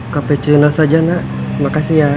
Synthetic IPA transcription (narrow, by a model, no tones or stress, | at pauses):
kapɛt͡ʃunɔsad͡ʒana | makasija